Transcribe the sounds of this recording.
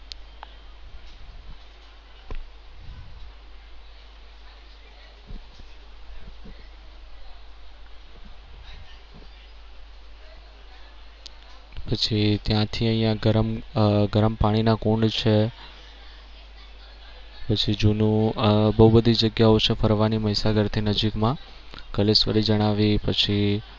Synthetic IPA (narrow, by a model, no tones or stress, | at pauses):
pət͡ʃʰit̪jãt̪ʰiə̃ɦĩjãɡəɾəmɡəɾəmpaɽ̃inakũɳɖt͡ʃʰe | pət͡ʃʰid͡ʒunũbəɦubəd̪ʱid͡ʒəɡjaot͡ʃʰefəɾʋaniməɦisaɡəɾt̪ʰinəd͡ʒikmã | kəlesʋə̰ɾid͡ʒəɽ̃aʋipət͡ʃʰi